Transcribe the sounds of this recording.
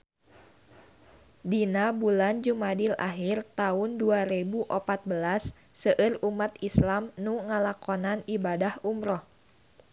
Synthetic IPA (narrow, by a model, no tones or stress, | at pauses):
dinabuland͡ʒumadila̰ɦirt̪aʊnduaɾebuʔɔpat̪̚bəlasː | əʔɨrumat̪islamnuŋəlakɔnanibadahumɾɔh